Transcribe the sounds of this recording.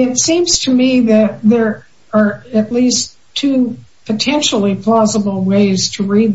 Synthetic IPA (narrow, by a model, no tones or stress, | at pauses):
ɪtsĩmz̥tʰɨmiðɨt̪̚ðə˞ | ə˞ɨtˡlistʰʉpʰɨtʰɛ̃nʃl̩ˠipʰl̥ɑzəbl̩ˠweɪz̥tʰɨɹid̪̚